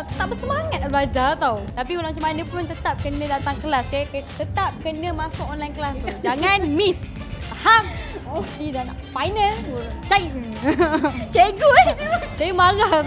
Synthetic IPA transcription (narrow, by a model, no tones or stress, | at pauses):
t̪aʔ̚bəsəmaŋat̪̚ablad͡ʒat̪awt̪apikulaat͡ʃamanə̃punt̪ət̪ap̚kənə̃dat̪aŋkəlaskakt̪ət̪ap̚kənə̃mãsʊkɔnlajnkəlasd͡ʒaŋanmis | ham | idanaʔfajnəlt͡ʃai | t͡ʃeɡut͡ʃemaɣa